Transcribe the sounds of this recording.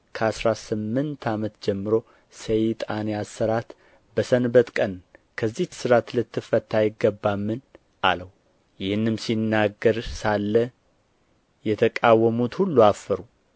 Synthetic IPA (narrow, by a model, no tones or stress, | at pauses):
kʰəasɾasɨmːɨnt̪ʰamət̪d͡ʒɛmːɨɾo̞ | səjt̪ʼaneasːəɾat̪ | bəsənbət̪kʼənkʰəzːisɨɾat̪lɨt̪ʰːɨfət̪ʰːajɪɡəbːamːɨn | ʔa̰ləw | jɪhɨnːɨmsinːaɡːəɾsalːə | jɛt̪ʰəkʼawːəmut̪hulːuafːəɾu